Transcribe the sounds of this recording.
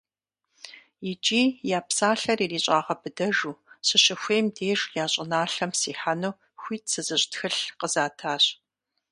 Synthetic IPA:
jɪt͡ʃʼiːjaːpsaːɬɐriːriːɕʼaːʁɐbɨdɐʒuːɕɪɕɪxʷeːmdeːʒjaːɕʼɪnaːɬɐmsiːħanuː | xʷiːtsɨzɨɕʼtxɨɬqəzaːtʰaːɕ

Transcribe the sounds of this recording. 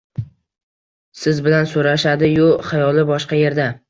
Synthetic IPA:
sɪzbɪlansoɾaʃad̪ɪjʊχajɒlˠɪbɒʃqɑje̞ɾd̪a

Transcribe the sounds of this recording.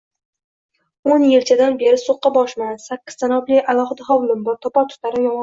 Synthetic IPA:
onjɪlt͡ʃʰad̪anbe̞ɾɪsoqːɑbɒʃmansakʲːɪ̥z̥sanɒbliʔalˠɒχɨd̪aɦɒwlˠɪmbɒɾt̪ʰɒpɒt̪ʰʊ̥t̪ʰaɾɪjɒmɒ

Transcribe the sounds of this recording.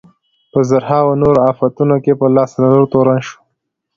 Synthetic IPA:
pəzaɾhɑwanoɾoɑfat̪unokepəlɑslalaɾot̪oɾanʃo̥

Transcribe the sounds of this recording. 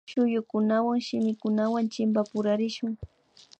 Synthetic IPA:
ʃʊjʊkʊnawaŋʃɪmɪkʊnawant͡ʃɪmbapʊɾaɾɪʃʊŋ

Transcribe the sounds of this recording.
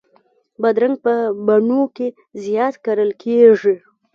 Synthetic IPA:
bad̪ɾaŋɡ̚pəbaɳoke | zjɑt̪kaɾəlkʰeʐi

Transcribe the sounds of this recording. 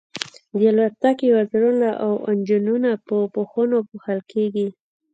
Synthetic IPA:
d̪əlwaɾt̪akiwazɾunaʔawand͡ʒununapəpoxənopuxəlkʰeɡi

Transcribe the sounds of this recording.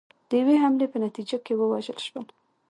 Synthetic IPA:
d̪̥əjaweɦamlepənat̪id͡ʒakewəwaʒəlʃwəl

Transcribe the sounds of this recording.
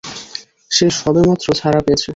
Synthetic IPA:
ʃeʃɔbemat̪ːɾot͡ɕʰaɾapeet͡ɕʰe

